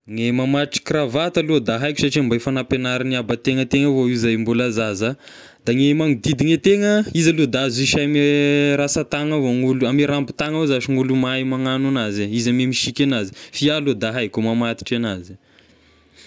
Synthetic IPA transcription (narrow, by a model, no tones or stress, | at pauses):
ŋemamaʈ͡ʂi̥kravat̪alud̪aɦajkʲu̥saʈ͡ʂiambajfanapenaɾaniabət̪eŋət̪eŋəvoiuzajmbulazaza | d̪aŋemaŋid̪id̪iŋet̪eŋəizalud̪aziʃameɾasat̪aŋəvoŋuluamiɾampi̥t̪aŋwezaʃiŋulumajmaŋananazaizamemiʃikʲanazi̥fialud̪aɦajkʲumamat̪i̥ʈ͡ʂanazi